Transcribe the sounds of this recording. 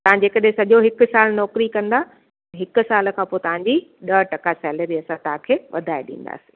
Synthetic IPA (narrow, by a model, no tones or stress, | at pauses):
t̪ɐʋãd͡ʑeːkɐɗɦẽsɐʄoɦɪkʊ̆saːlnɔːkɾikɐ̃nd̪a | ɦɪkʊ̆saːl̆kʰãːpoːt̪ɐʋ̤ãɲd͡ʑiɗɐʈɐkasɛːləɾiɐsãt̪ɐʋãkʰeːʋɐ̰d̪ʱaːḛɗḭ̃ːn̆d̪a̰ːsĩ̥ː